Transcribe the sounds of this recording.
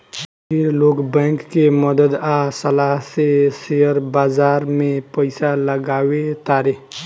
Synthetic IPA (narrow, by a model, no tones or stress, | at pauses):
pʰɪɾloːkbɛ̃ːŋkːeməd̪əd̪asəlaɦsesejəɾbaːzaːɾmẽpəɪsaləɡaːwet̪aːɾe